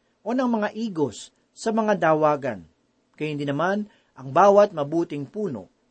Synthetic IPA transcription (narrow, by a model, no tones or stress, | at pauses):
ʔo̞nɐŋmɐŋaʔiːɡo̞sː | ɐmɐŋad̪aːwaːɡɐ̰n | kɐjhɪnd̪inɐman | ʔɐŋbaːwɐt̪̚mɐbuːt̪ɪŋpuːno̞̰